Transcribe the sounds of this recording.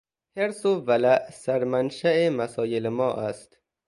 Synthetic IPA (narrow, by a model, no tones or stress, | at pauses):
heɾsovælæʔsæɾmænʃæemæsɒːjelemɒːʔæst̪